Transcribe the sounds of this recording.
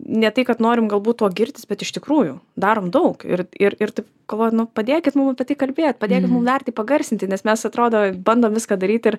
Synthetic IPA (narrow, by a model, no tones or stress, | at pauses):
nʲɛt̪ɐɪkɐt̪noːɾʲɪmɡɐlˠbuːt̪toːɡʲɪrʲt̪ʲɪsbʲɛt̪ɪʃt̪ʲɪkɾuːjʊd̪ɑːɾoːmd̪ɐʊkɪ̰rɪɾɪɾt̪ɐɪp | ɡ̥ɐlˠʋoːjɛt̪nʊpɐd̪ʲeːkʲɪt̪mʊmɐpʲiɛt̪ɐɪkɐlʲbʲeːjt̪̚pɐd̪ʲeːkʲɪt̪mʊmd̪ɐrʲt̪ʲiɪpɐɡɐrʲsʲɪnʲt̪ʲɪnʲɛsmʲɛsɐt̪ɾoːd̪oːbɐnd̪oːmʋʲɪskaːd̪ɐɾʲiːt̪ʲɪɾ